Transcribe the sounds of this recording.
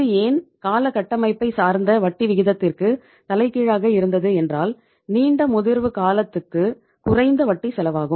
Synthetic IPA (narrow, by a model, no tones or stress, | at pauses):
ɐɯeːnkaːlɐkɐʈːɐmɐɪpːɐɪsaːɾnd̪ɐʋɐʈːiʋɪɣɪðɐt̪ːɪrkɯ | t̪ɐlɐɪkːiːɻaːɣɐɪɾɯnd̪ɐðɯɛndraːl | niːɳɖɐmʊðɪɾʋɯkaːlɐt̪ːɯkːɯ | kʊrɐɪnd̪ɐʋɐʈːisɛlɐʋaːɣɯm